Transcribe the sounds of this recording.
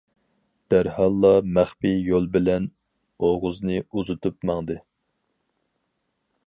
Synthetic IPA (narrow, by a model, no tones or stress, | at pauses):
d̪̥æɾhɑlˠːɑmæχpijolˠbɪlɛn | oʁʊznɨuzut̪ʰupmɑŋd̪ɨ